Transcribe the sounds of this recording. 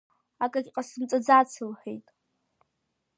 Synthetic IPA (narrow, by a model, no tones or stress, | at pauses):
akʼakʲʼqʼasɨmt͡sʼad͡zat͡sʰɨlħʷᶣḛjtʼ